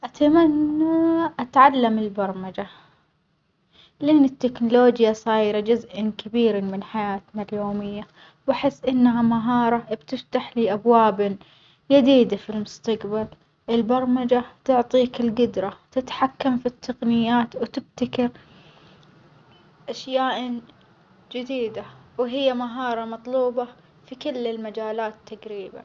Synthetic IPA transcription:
ʔat̪amanːaʔat̪ʕalːamɪlbɑɾˤmad͡ʒa | lɪʔɪnːɪt̪ːɪknʊloːd͡ʒjasˤɑːjɾad͡ʒʊzʔɪnkabiːɾamɪnħajaːt̪naljoːmɪjːa | waħɪsːʔɪnːɦamaɦɑːɾˤɑb̥t̪ɪft̪aħliːʔabwaːb | jad̪iːd̪afilmʊst̪aqbal | ʔɪlbɑɾˤmad͡ʒat̪ʊʕt̪ˤiːkɪlɡʊd̪ɾˤɑt̪ɪt̪ħakːamfit̪ːaqnɪjːaːt̪wt̪ɪb̚t̪akɪɾ | ʔaʃjaːʔ | d͡ʒɪd̪iːd̪awɦɪjːamaɦɑːɾˤɑmɑt̪ˤluːbɑ | fikɪlːɪlmad͡ʒaːlaːt̪t̪ʰːaɡɾiːba̰

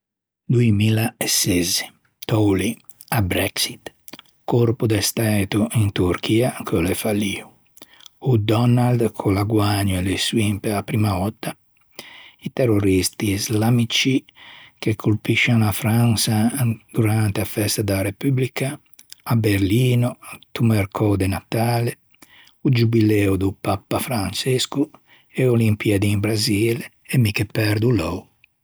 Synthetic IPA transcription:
d̪uemilaesɛze | t̪ɔwli | abɾɛksit̪ | korpud̪est̪aːt̪uʔint̪uɾk̟ʰiːakʰolefalːiːu | ud̪ɔnald̪kʰolaɡwaɲːoeleswimpeapːɾimaɔt̪ːa | it̪erːoɾist̪iːzlamit͡ʃikekʰːulpiʃːanafɾansad̪̥uɾant̪eafɛst̪ad̪aɾepyblikʰaː | beɾliːnot̪umeɾkʰɔd̪enat̪aːle | ud͡ʒubilɛud̪upapːafɾant͡ʃesku | eolimpiad̪imbɾazil | emikepɛɾd̪ulɔw

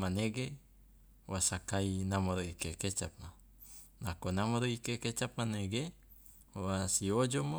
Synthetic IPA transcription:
maneɡe | wasakainamoɾoikeket͡ʃap̚ma | nakonamoɾoikeket͡ʃap̚maneɡe | wasiod͡ʒomo

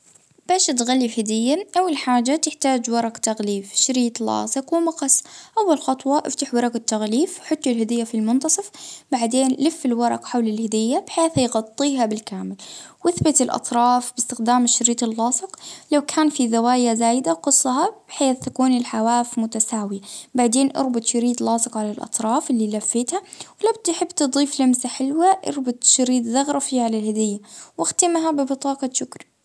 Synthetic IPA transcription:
b̥aːʃt̪ɣalːifhad̪ɪjːaʔawːalħaːd͡ʒat̪ɪħt̪aːd͡ʒwɑɾˤɑqt̪aɣliːfʃɾiːt̪lɑ̰ːsˤɨqwɪmɑqɑsˤʔawːalxɑt̪ˤwɑʔɪft̪aħwɑɾˤɑɡɪt̪ːaɣliːfwħʊt̪ːɪlhɪd̪ɪjːafilmʊnt̪ɑsˤɨfbaʕd̪eːnʔlɪfːɪlwɑɾˤɑqħawlɪlhɪd̪ɪjːabɪħeːθhajɣɑt̪ˤːiːɦabɪlkaːmɪlwʔɪθbɪt̪ɪlʔɑ̰t̪ˤɾˤɑːfbɪst̪ɪxd̪aːmʃɾiːt̪ˤɪlːɑːsˤɨqlawkʰaːnfiðawaːjazaːjɪd̪aqɨsˤːɑhɑb̥ɪħeːθt̪akuːnɪlħawaːfmʊt̪asaːwɪjabaʕd̪eːnʔɑ̰ɾˤbɪt̪ˤʃɑɾiːd̪lɑːsˤɨqʕalalʔɑ̰t̪ˤɾˤɑːfʔɪlːilafːɪːt̪ha | wɪlabt̪ħɪbːt̪ɨd̪ˤiːflamsaħɪlwaʔɑ̰ɾbʊt̪ˤʃɑɾiːd̪zɑɣɾˤɑfiʕalalhad̪ɪjːawɪxt̪ɪmɦabɪbɨt̪ˤɑːqɑʃʊkɾi

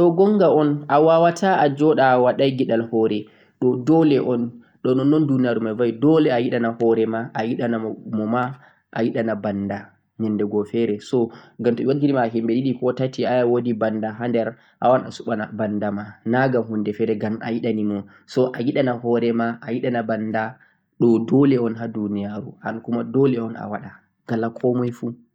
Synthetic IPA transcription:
tɔɡɔŋɡaɔnʔawawatʰaad͡ʒɔɗaːwaɗajɡiɗalhɔɾɛ | ɗɔdɔlɛʔɔn | ɗɔnɔnːɔndunaɾumavajdɔlɛajiɗanahɔɾɛmaʔajiɗanamɔma | ʔa̰jiɗanabanda | ɲɛndɛɡɔfɛɾɛsɔɡamtɔiwaɡiɾimaːɦimbediɗikɔtatiajawodibandaɦandɛɾ | ʔawana̰suɓana̰bandamanaɡamhundɛfɛɾɛɡama̰jiɗanimɔ | sɔʔajiɗanahɔɾɛmaʔajiɗanabanda | ɗɔdɔlɛɔnɦadunijaɾṵhankumadɔlɛɔna̰waɗa | ɡ̥alakʰɔmɔjfu

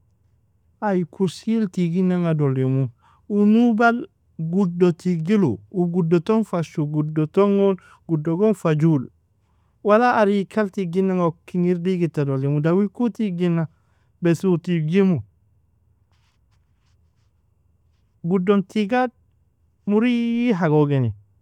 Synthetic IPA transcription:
ajikʰuɾsiltiɡinaŋadolimu | unubal | ɡudotiɡilṵuɡudotonfaʃuɡudotoŋon | ɡ̥udoɡonfaɟul | walaːɾikʰaltiɡinaŋakːiŋiɾdiɡitadolimudawikutiɡinːa | besutiɡimu | ɡudontiɡad̚ | muɾijiɦaɡoɡeni

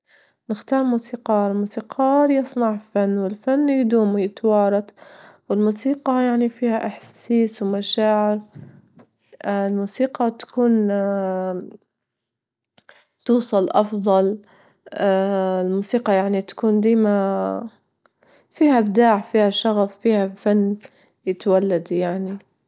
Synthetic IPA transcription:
nɪxt̪ɑːɾˤmuːsiːqɑːɾlmuːsiːqʰɑːɾjɑsˤnɑʕfanːwɪlfanːjd̪uːmjɪt̪wɑːɾˤɑt̪wɪlmuːsiːqɑjaʕnifiːhaʔɪħsiːswmaʃaːʕɪɾ | lmuːsiːqɑt̪ḁkuːn | t̪uːsˤɑlʔɑfðˤɑl | ɪlmuːsiːqɑjaʕnit̪ḁkuːnd̪iːma | fiːhabd̪aːʕfiːhaʃɑɣaffiːhafanː | jɪt̪walːad̪jaʕni

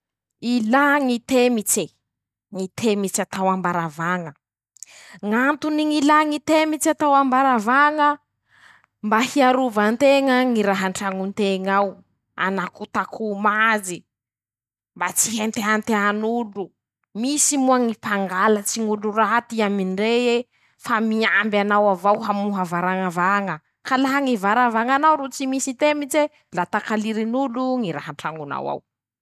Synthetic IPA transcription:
ilaŋit̪emit͡se | ŋit̪ʰemit͡sat̪awambaɾavaŋə | ŋant̪uniŋilaŋit̪emit͡sat̪awambaɾavaŋə | mbahiaɾuvant̪eŋəŋiɾaɦaɳʈ͡ʂaŋunt̪eŋaw | a̰nakut̪akʰumazi | mbat͡siɦent̪eant̪eanulu | misimuaŋipaŋɡalət͡siŋuluɾat̪iaminɖ͡ʐee | famiambjanawavawɦamuɦavaɾaŋavaŋə | kalaɦaŋivaɾavaŋanawɾut͡simisit̪emit͡se | lat̪akaliɾinuluŋiɾaɦaɳʈ͡ʂaŋuna̰wa̰w

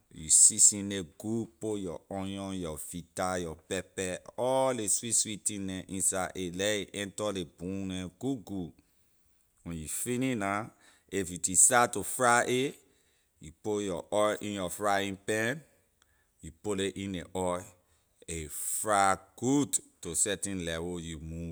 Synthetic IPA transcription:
jṵsisĩneɡupojɔ̰ɔ̃jɔ̃jɔfitajɔpɛpɛɔleswiswitĩnɛ̃ʔĩnsaʔelɛiʔɛ̃ntɔlebũnɛ̃ɡuɡu | wɛ̃njufinina | efitisatofɹaʔe | jupojɔʔɔjʔĩnjɔfɹaĩnpɛ̃n | jupoleʔĩneʔɔj | efɹaɡ̥udtosɛtĩnlɛwojumu

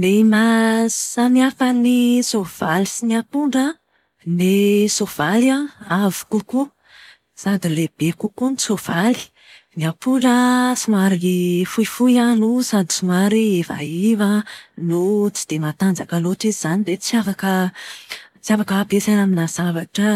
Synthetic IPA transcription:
nemasaniafənisov̥alisiniapuɳɖ͡ʐə | nesov̥aliaavu̥kuku | sad̪ileb̥ekukunisov̥ali̥ | niapuɳɖ͡ʐəsumaɾifuifujanusad̪i̥sumaɾiefa̰ivanut͡si̥d̪̥emat̪and͡zakaloʈ͡ʂizz̥anid̪et͡siafakə | t͡siafakaːbesanaminaz̥avaʈ͡ʂə

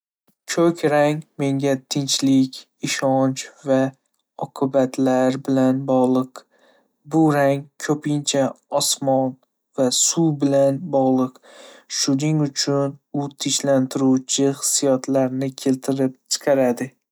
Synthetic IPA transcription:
kʰɵkʲɾaŋme̞ŋɡʲat̪ʰɪnt͡ʃlɪkʲ | ɪʃɒnt͡ʃva | ɒqʰɨbat̪ʰlaɾbɪlanbɒʁlˠɨq | bʊɾaŋkʰɵpʰɪnt͡ʃʰaɒsmɒn | vasubɪlanbɒʁlˠɨq | ʃʊnɪŋʊt͡ʃʰʊnʊt̪ʰɪʃlant̪ʰɪɾuwt͡ʃʰɪχɨ̥sijɒt̪ʰlaɾnɪkʲʰe̞lt̪ʰɪɾɪp̚t͡ʃʰɨ̥qʰɑɾad̪ɪ

